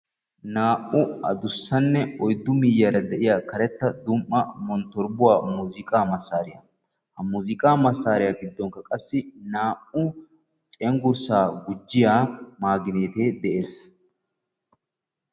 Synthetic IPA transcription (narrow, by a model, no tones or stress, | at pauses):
naːʔʊɐ̰d̪ʊsːɐnːɛɔjd̪ːʊmɪjːɐɾɐd̪ɛʔɪjaːkɐɾɛt̪ːɐd̪ʊmʔːɐmɔnt̪ːɔɾbʊwaːmuːzɪkʼaːmɐsːaːɾɪja̰ | hɐmuːzɪkʼaːmɐsːaːɾɪjaːɡɪd̪ːɔŋkɐkʼɐsːɪnaːʔʊ | t͡ʃʼɛŋɡʊɾsaːɡʊd͡ʒːɪjaːmaːɡɪneːt̪e̞ːd̪ɛʔe̞ːs